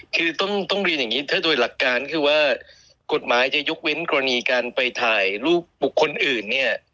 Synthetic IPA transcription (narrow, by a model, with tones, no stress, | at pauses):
kʰɯː˧t̪ɔ˥˩ŋt̪ɔ˥˩ŋɾi˧nja˨˩ŋiː˦˥t̪ʰaː˥˩doː˧jla˨˩kːaː˧nkʰɯː˧waː˥˩ | ko˨˩t̪̚maː˩˦jt͡ɕa˨˩jo˦˥k̚we˦˥nkɔː˧a˧niː˧kaː˧npa˧jt̪ʰaː˨˩jluː˥˩k̚bu˨˩kʰːo˧nʔɯː˨˩nːi˥˩ɐ